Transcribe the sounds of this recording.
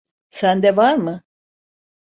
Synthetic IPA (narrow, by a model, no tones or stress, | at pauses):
sænd̪ɛvaɾmɯ